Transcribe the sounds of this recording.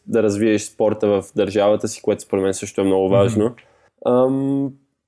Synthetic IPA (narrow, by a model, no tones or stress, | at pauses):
d̪ɐɾɐzviɛʃspɔɾt̪əvəfd̪ɐɾʒavət̪əsi̥koɛt̪ʊspoɾɛd̪mɛnɛsɤʃt̪ʊɛmnɔɡʊvaʒno | m